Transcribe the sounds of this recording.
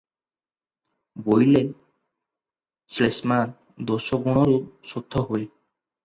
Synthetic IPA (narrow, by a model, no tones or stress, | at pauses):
bojlɛ | slesman | d̪osɔɡɔñɔlup̚sot̪ʰːɔɦoj